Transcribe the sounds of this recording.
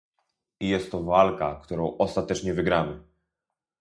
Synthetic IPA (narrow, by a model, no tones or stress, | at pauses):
ijɛst̪ːɔvalka̰kt̪uɾɔ̃w̃ʔɔst̪at̪ɛt͡ʂɲɛvɘɡɾamɘ